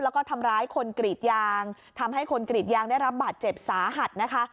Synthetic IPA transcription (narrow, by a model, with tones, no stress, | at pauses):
lɛː˦˥wkɔː˥˩t̪ʰa˧mɾaː˦˥jkʰo˧nkɾi˨˩t̪̚jaː˧ŋ | t̪ʰa˧mɦa˥˩jkʰo˧nkɾi˨˩t̪̚jaː˧ŋdaː˥˩jɾa˦˥p̚baː˨˩t̪̚t͡ɕe˨˩p̚saː˩˦ɦa˨˩t̪̚na˦˥kʰa˦˥